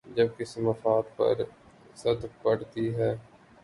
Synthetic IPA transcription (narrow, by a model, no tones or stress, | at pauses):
d͡ʒɐb̚kɪsmɐfaːt̪pɐ̰ɾ | sɐd̪k̚pɐɽt̪iɦɛː